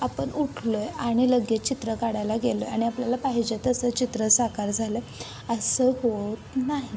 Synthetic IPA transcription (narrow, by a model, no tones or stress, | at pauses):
apəɳuʈʰlojaɽ̃iləɡjet͡ɕit̪ɾəkaɽajlaɡelojaɽ̃iapljalapaɦid͡ʑet̪əsət͡ɕit̪ɾəsakaɾd͡zʱalə | əsəːhot̪naɦi